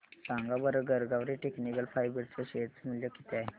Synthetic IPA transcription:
sãŋɡabəɾəɡəɾɡaʋɾiʈeknikəlfʰajbiɾt͡səɕet͡smuljɔkit̪a

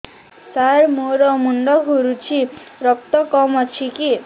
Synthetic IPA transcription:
saɾmoɾɔmuɳɖɔkɡʱuɾut͡ʃʰiɾɔk̚t̪ɔkɔmɔt͡ʃʰiki

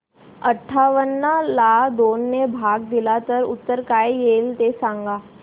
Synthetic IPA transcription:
əʈʰːaʋənːalad̪onːebʱaɡd̪ilat̪əɾṵt̪ːəɾkajjelt̪esãŋɡa

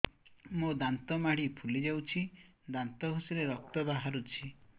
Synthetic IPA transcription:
mod̪ant̪ɔmaɽ̤ipʰulid͡ʒawt͡ʃʰi | d̪ant̪ɔɦusiɾeɾɔk̚t̪ɔbaɦaɾut͡ʃʰi

